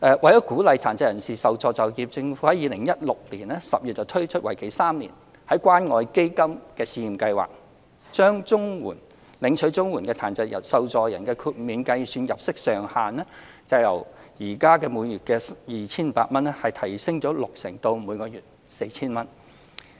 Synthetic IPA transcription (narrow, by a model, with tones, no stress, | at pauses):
ʔɛː˨wɐ˨jɐ˨˥kuː˨˥lɐ˨jt͡sʰaː˨˩nt͡sɐ˧jɐ˨˩nsiː˨sɐ˨˩wt͡sɔː˨˧t͡sɐ˨˩wjiː˧p̚t͡sɪ˧ŋfu˨˥hɐ˨˥jiː˨˧lɪ˨˩ŋjɐ˥t̚lʊ˨k̚liː˨˩nɛː˥sɐ˨p̚jyː˨t̚t͡sɐ˨˩wt̪ʰɵ˥ɥt͡ʃʰɵ˥t̚wɐ˨˩jkʰe˨˩jsaː˥mlḭ˨˩n | hɐ˨˥jkʷwaː˥nŋɔː˨˧jke˥jkɐ˥mkɛː˧siː˧ji˨mkɐ˧jwa̰ː˨k̚ | t͡ʃœː˥ŋt͡sʊ˥ŋwuː˨˩n | lɪ˨˥ŋt͡ʃʰɵ˨˥ɥt͡sʊ˥ŋwuː˨˩nkɛː˧t͡sʰaː˨˩nt͡sɐ˧jɐ̰˨˩sɐ˨wt͡sɔː˨˧jɐ˨˩nkɛː˧kʰyː˧t̚miː˨˧nkɐ˧jsyː˧njɐ̰˨p̚sɪ˥k̚sœː˨˩ŋhaː˨nɛː˥ | t͡sɐ˨wjɐ̰˨˩wjiː˨˩kaː˥kɛː˧muː˨˧jyː˨t̚kɛː˧sjiː˨t͡sʰiː˥n˨paː˧t̚mɐ˥nɛ˥hɐ˨jt̪ʰɐ˨˩jsɪ˥ŋt͡ʃɔː˨˥lʊ˨k̚sɪ˨˩ŋt̪o˧wmuː˨˧jkɔː˧jyː˨˩t̚ | se˧jt͡sʰiː˥nmɐ˥n